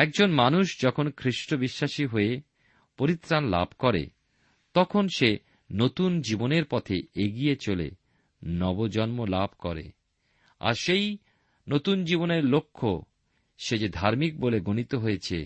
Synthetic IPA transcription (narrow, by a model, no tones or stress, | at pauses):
ɛk̚d͡ʑonmanuʃd͡ʑɔkʰonkʰɾiʃʈobiʃːaʃiɦoe | poɾit̪ːɾanla̰bʱkɔɾḛ | t̪ɔkʰonʃe | not̪und͡ʑiboneɾpɔt̪ʰeeɡijet͡ɕolḛ | nɔbod͡ʑɔnmolabʱkɔɾḛ | a̰ɾʃej | not̪und͡ʑiboneɾlokʰːo | ʃed͡ʑed̪ʱaɾmik̚boleɡonit̪oɦoet͡ɕʰḛ